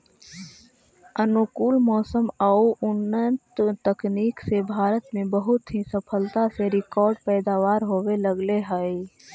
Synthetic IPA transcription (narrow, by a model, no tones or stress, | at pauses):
ənukuːlmɔːsəmauʔʊnːənt̪t̪əkniːksebʱaːɾət̪mẽbəɦʊt̪ɦisəpʰəlt̪aseɾɪkɔːɾɖpɛːd̪aːʋaːɾɦoːweləɡleɦəi